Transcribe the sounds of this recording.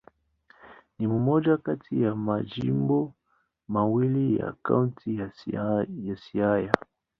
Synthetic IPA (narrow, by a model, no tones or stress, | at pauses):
nimumɔd͡ʒakatijamad͡ʒimbɔ | mawilija̰ka̰unti | jasiaja